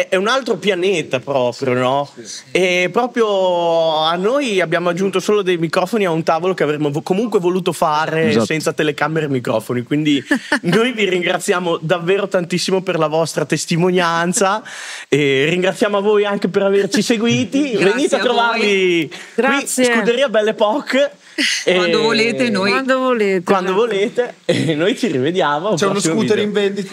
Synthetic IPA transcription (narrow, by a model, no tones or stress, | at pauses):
ɛɛunalt̪ɾopjanet̪apɾɔːpɾjonɔɛpːɾɔːpɾjo | anːojabːjaːmoad͡ʒːunt̪osoːlod̪ejmikɾɔːfoniaunt̪aːvolokeavɾemːookomuŋkwevoluːt̪ofaːɾesɛnt̪sat̪elekamːeɾemikɾɔ̰ːfonikwind̪inojviɾiŋɡɾat̪sːjaːmod̪avːeːɾot̪ant̪isːimoperlavɔst̪ɾat̪est̪imonjant̪saeriŋɡɾat̪sːjaːmoavːojaŋkepeɾavert͡ʃiseɡwiːt̪iveniːt̪eat̪ːɾovarviɡɾakisjsekueɾiabɛlːepɔkː | enovoleːt̪enojand̪ovolet̪wand̪ovoleːt̪eːnːojt͡ʃirived̪jaːmoat͡ʃɛunosokuːt̪eɾiɱvend̪it̪